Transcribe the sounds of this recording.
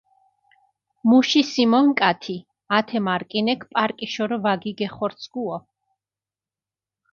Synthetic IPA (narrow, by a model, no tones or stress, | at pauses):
muʃisimɔŋkʼat̪ʰi | at̪ʰɛmaɾkʼinɛkʰpʼaɾkʼiʃɔɾɔvaɡiɡɛχɔɾt̪sʰɡuɔ